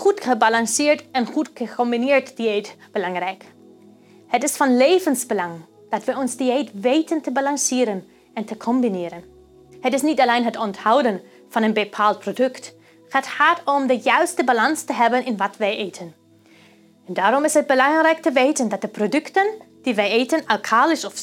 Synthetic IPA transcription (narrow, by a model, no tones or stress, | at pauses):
χutχəbalɑŋsɪːɹtɛnχutχəkʰɔmbinɪːɹtd̥ietb̥əlɑŋrɛjk | hətɪsfɑnlejvənsbəlɑŋ | d̥ɑtʋəjɔnzdiejtʋeːtəntəbalɑnsɪːɾən | ɛntʰəkʰɔmbinɪːɾən | hətɪsnitɑlejnɦətɔnthawdən | fɑnənbəpʰaːlˠt̚pʰrodɵkt | χaːtχaːtɔmdəjœɥstəbalɑnstəɦɛbənʔɪnʋɑtʋɛjʔeːtʰən | ɛndaːɾɔmɪsɦət̚bəlɑŋrɛjk̚təʋejtəndɑt̚d̥əprodʏktən | d̥iʋɛjeːtənalkʰaːlɪsɔf